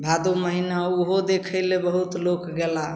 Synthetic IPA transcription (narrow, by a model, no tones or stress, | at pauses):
bʱad̪uməɦinauɦod̪ekʰəɪlebəɦut̪lokɡela